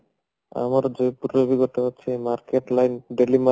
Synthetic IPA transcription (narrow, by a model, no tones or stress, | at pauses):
a̰maɾd͡ʒojpuɾbiɡɔt̪ɔat͡ʃʰemaɾkeʈlajnɖelima